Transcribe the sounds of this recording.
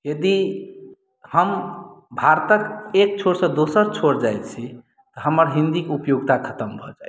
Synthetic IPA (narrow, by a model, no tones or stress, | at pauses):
jəd̪i | həmbʱaɾt̪əkek̚t͡ʃʰoɾsə̃d̪osəɾt͡ʃʰoɾd͡ʒajt̪t͡ʃʰi | t̪ɔɦəməɾɦĩnd̪ikupjoɡt̪akʰət̪əmbʱɔd͡ʒa